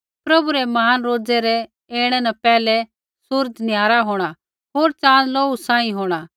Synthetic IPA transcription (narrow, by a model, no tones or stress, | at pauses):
pɾɐbuɾɛmɐɦaːnɾoːd͡zɛɾɛ | eːɽ̃ɛ̃nɐpɛːlɛ | sʊɾd͡ʒnɪjaːɾaɦoːɽ̃a | ɦoːɾt͡ʃãːnloːusãːĩɦoːɽ̃a